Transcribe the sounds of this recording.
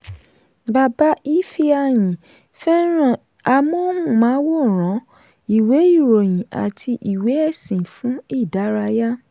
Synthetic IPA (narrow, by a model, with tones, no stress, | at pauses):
ɡ͡ba˨ba˨˦i˦fi˦a˧˨j̃ĩ˨ | fɛ˦ɾ̃ɔ̃˨ | a˧mɔ̃˦hũ˦˨mãː˨˦wo˦˨ɾ̃ɔ̃˨˦ | i˨we˨˦i˦˨ɾo˨j̃ĩ˨ʔa̰˨tʰi˧ʔi˨we˨˦ɛ˦˨sĩ˨fũ˨˦i˦˨da˨˦ɾa˧ja˦